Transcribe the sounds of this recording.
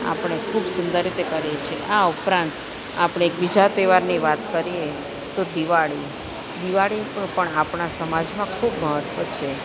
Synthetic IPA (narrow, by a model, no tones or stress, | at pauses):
a̰pəɳ̃ekʰubsʊnd̪əɾit̪ekəɾjet͡ʃʰieʔaupɾãnt̪ | apɳ̃eːkbid͡ʒat̪eʋaɾniʋat̪kəɾie | t̪od̪iʋaɭi | d̪iʋaɭipəɳapɳasəmad͡ʒmãkʰubməɦət̪ʋət͡ʃʰe